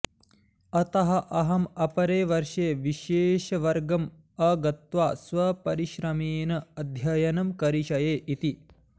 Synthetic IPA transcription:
ɐt̪ɐɦɐ̆ʔɐɦɐmɐpɐɾeːʋɐɾʃeːʋiʃeːʃɐʋɐɾɡɐm | ɐɡɐt̪ʋaːsʋɐpɐɾiʃɾɐmeːnɐɐd̪ʱjɐjɐnɐmkɐɾiʃɐjeːʔit̪i

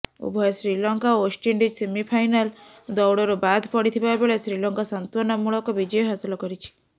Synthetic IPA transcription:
ṵbʱɔesɾilɔŋkaosʈiɳɖid͡ʒsemipʰajnal | d̪ɔwɽɔɾubad̪ʱpɔɽit̪ʰibabeɭesɾilɔŋkasɔnt̪wɔnɔmuɭɔkɔbid͡ʒɔjɔɦasɔlɔkɔɾit͡ʃʰi̥

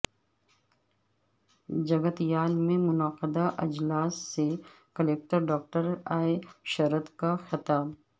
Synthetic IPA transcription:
d͡ʒɐɡət̪ijaːlmẽmʊnəqəd̪aʔɐd͡ʒlaːsːe | kɐleːk̚ʈəɾɖɔːk̚ʈəɾaːeʃɐɾət̪kaxɪt̪aːb

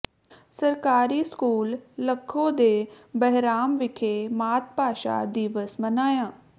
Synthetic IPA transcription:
səɾkaːɾiːskuːlːəkʰːõːd̪eː | bəɦɾaːmʋɪkʰeːmaːt̪̚ʰpaːʃa̰ːd̪iːʋəsmənaːjãː

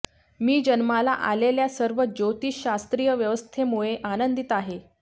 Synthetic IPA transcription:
miːd͡ʑənmala̰ʔa̰leljasəɾʋəd͡ʑot̪iːɕast̪ɾijəʋjəʋəst̪ʰemuɭeʔanənd̪it̪aɦe

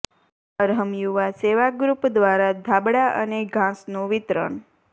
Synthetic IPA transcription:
əɾɦəmjuʋaseʋaɡɾupd̪ʋaɾad̪ʱabɽaʔəneɡʱãsnũʋɪt̪ɾə̰ɳ

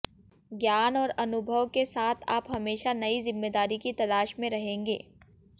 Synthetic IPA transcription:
ɡjaːnɔːɾɐnʊbʱəʋkesaːt̪ʰaːpɦɐmeːʃanɐizɪmːeːd̪aːɾikit̪ɐlaːʃmẽɾɐɦẽːŋɡḛː

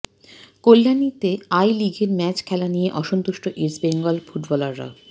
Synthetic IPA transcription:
kolːanit̪eajliɡʱeɾmɛt͡ɕkʰɛlanijeʔɔʃont̪uʃʈoʔiɾsbeŋɡɔlfuʈbɔlaɾːa̰

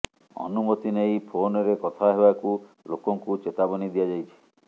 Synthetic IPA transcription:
ɔ̰numɔt̪inejpʰonɔɾekɔt̪ʰaɦebaku | lokɔŋkut͡ʃet̪abɔnid̪ijad͡ʒajt͡ʃʰi̥

